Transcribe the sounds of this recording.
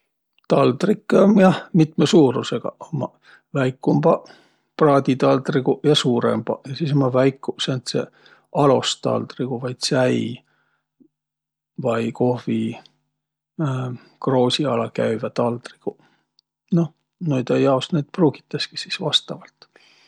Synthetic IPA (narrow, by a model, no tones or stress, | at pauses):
t̪ɑld̪rikːˑemjɑhmit̪mesuːɾuse̞ɡ̥ɑ̰omːɑ | væjkˑːumb̥ɑ | prɑːd̪̥ʲit̪ɑld̪riɡujɑsuːɾḛmb̥ɑ̰jɑsis̬omɑvæjkːˑusent̪sḛ | ɑlo̞st̪ɑ̰ld̪riɡ̥uvɑjd̪̥sæj | vɑjko̞hvi | kro̞ːsʲiɑlɑkæɥvæt̪ɑld̪ri̥ɡ̥u | no̞ | nujd̪ejɑosnejd̪̥pruːɡ̥i̥t̪ːˑeski̥sisvɑst̪ɑvɑlt̪